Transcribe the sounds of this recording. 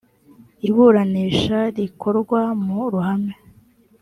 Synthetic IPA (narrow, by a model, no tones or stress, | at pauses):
iβuɾaniːʃaɾikʰo̞ɾɡwamuɾuhame